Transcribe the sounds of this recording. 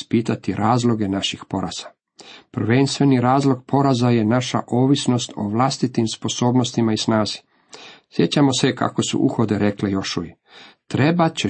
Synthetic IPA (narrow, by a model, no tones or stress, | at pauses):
spiːt̪at̪iɾʔaːzlo̞ɡe̞naʃixpo̞ɾaz̥a | pr̩ʋenst̪ʋe̞niɾaːzlˠo̞ɡ̚po̞ɾazaje̞naʃa̰ʔo̞ːʋisno̞st̪o̞̰ʋlˠast̪it̪imspo̞so̞ːbno̞st̪imaisnaːzi̥ | sjet͡ɕamo̞seka̰ko̞sṵʔṵxo̞d̪e̞ɾe̞klejo̞ʃuje | t̪ɾebat͡ɕe